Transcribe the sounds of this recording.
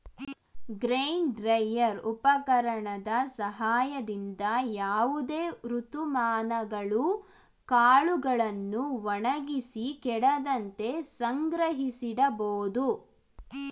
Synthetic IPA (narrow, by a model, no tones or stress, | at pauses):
ɡɾeːɳɖɾɐjːɐɾupɐkɐɾɐɳɐd̪ɐsɐɦaːjɐd̪ind̪ɐjaːʋud̪eːɾut̪umaːnɐɡɐɭu | kaːɭuɡɐɭɐnːuʋɐɳɐɡisikɛɽɐd̪ɐnt̪e̞sɐŋɡɾɐɦisiɽɐboːd̪u